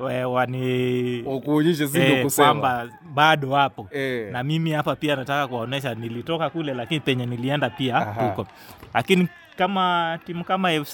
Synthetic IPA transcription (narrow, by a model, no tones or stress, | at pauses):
ɛwaniakuɲiʃ̬ɛs̬iɔkuskwamba | ɓaɗɔwapɔɛnamimihapapianatakakuwaɔnɛʃ̬anilitɔkakulɛlakinipɛɲɛniliɛndapiahukɔ | lakini | kamatimukamaɛf